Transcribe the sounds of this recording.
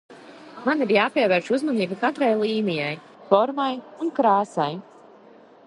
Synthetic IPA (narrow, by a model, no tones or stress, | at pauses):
maniɾjaːpiɛvɛːɾʃuzmaniːbukat̪ɾajlˠiːnijaj | fɔɾmajunkɾaːsaj